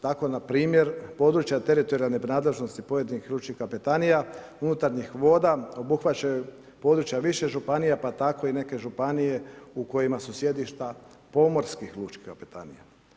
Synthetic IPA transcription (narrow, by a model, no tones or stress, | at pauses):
t̪ako̞napɾiːmje̞ɾpo̞d̪ɾut͡ʃjat̪e̞ɾit̪o̞ɾianebnaːd̪le̞ʒnost̪ipo̞je̞d̪inixlˠuːt͡ʃkihkapet̪anija | unut̪aɾɲixʋo̞ːd̪ao̞buxʋat͡ɕaju | po̞ːd̪ɾut͡ʃjaʋiʃe̞ʒupanijapat̪ako̞ine̞ke̞ʒupanije̞uko̞jimasusje̞d̪iʃt̪a | po̞mo̞ɾskixlˠut͡ʃki̥hkapet̪a̰nḭja